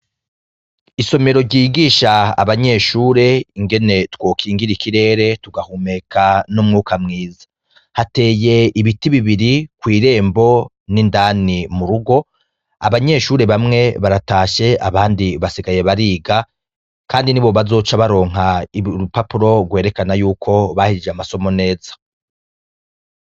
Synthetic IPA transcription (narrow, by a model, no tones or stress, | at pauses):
iso̞me̞ɾo̞ɾɟiːɡiːʃaa̰βaɲe̞ʃuːɾe̞iŋɡe̞ne̞two̞ːkʰiːŋɡiɾikʰiɾe̞ːɾe̞tuɡahume̞kʰanumŋuːkʰamŋiːzḁ | hate̞ːje̞iβitiβiβiɾikwiːɾe̞ːmbo̞ | nindaːnimuɾuɡo̞ | a̰βaɲe̞ʃuːɾe̞βamŋe̞βaɾataːʃe̞a̰βaːndiβasiɡaje̞βaɾiːɡa | kaːndiniβo̞βazo̞ːt͡ʃaβaɾo̞ːŋ̥ɦaiupapuɾo̞ɡwe̞ːɾe̞kanajuːkʰo̞βahiid͡ʒeamaso̞mo̞ne̞ːzḁ